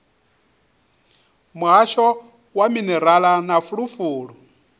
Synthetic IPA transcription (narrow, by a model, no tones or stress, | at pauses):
muɦaʃɔ | waminɛɾalanafuɺufuːɺu